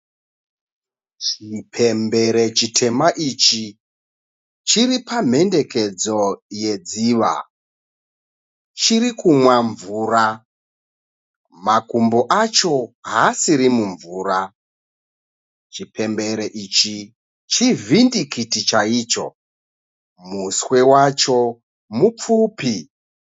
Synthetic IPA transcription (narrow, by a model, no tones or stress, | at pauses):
t͡ʃipʰembeɾe̞t͡ʃitʰe̞maʔit͡ʃi | t͡ʃiripam̤e̞nde̞ke̞d͡zo̞je̞d͡ziʋa̰ | t͡ʃiɾikumwaɱvuɾa | makumboʔat͡ʃo̞ɦasiɾimuɱvuːra | t͡ʃipembe̞ɾeʔit͡ʃi | t͡ʃivindikitit͡ʃaiːt͡ʃo̞̰ | muswe̞wat͡ʃo̞ | mup͡fuːpi